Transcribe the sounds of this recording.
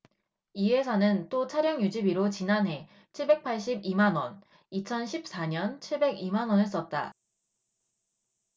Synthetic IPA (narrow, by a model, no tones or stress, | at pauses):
iɦe̞sʰanɯnt͈ot͡ɕʰaɾjʌŋjud͡ʑibiɾot͡ɕinanɦe̞ | t͡ɕʰiɭbe̞k̚pʰaɭɕ͈ibimanwʌn | it͡ɕʰʌnɕʰip̚s͈aɲʌnt͡ɕʰiɭbe̞ɡimanwʌnes͈ʌt̚t͈a̰